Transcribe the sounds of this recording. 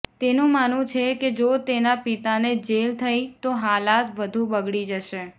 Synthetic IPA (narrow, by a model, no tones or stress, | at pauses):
t̪enũmanũt͡ʃʰeked͡ʒot̪enapit̪aned͡ʒelt̪ʰəit̪oɦalat̪ʋəd̪ʱũbəɡɭid͡ʒəʃe